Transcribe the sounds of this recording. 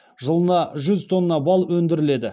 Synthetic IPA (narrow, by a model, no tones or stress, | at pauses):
ʒəlˠənɑʒʏzt̪ʰo̞nːənɑbɑlˠwɵnd̪ɪɾɪle̞d̪ɪ